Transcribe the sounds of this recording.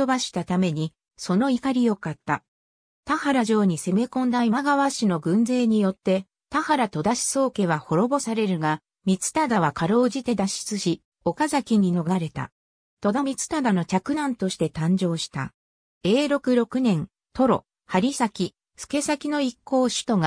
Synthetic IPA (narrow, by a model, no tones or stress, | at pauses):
obaɕi̥t̪at̪ame̞ɲ̟i | so̞no̞ikaɾʲijo̞kat̪ːa̰ | t̪ahaɾaʑo̞ːɲ̟ise̞me̞kõ̞nd̪aimaɡaβ̞aɕino̞ɡɯ̟̃nze̞ːɲ̟ijo̞t̪ːe̞ | t̪ahaɾat̪o̞d̪aɕi̥so̞ːke̞β̞aho̞ɾo̞bo̞saɾe̞ɾɯ̟ɡa | mʲit͡sɨ̥t̪ad̪aβ̞akaɾo̞ːʑit̪e̞d̪aɕi̥t͡sɨɕi | o̞kazakʲiɲ̟ino̞ɡɡaɾe̞t̪a̰ | t̪o̞d̪amʲit͡sɨ̥t̪ad̪ano̞t͡ɕakɯ̟nãnt̪o̞ɕi̥t̪e̞t̪ãɲ̟d͡ʑo̞ːɕi̥t̪a̰ | e̞ːɾo̞kɯ̟ɾo̞kɯ̟nẽ̞n | t̪o̞ɾo̞ | haɾʲisakʲi | ɸɯ̥ke̞sakʲino̞ikːo̞ːɕɨ̥t̪o̞ɡa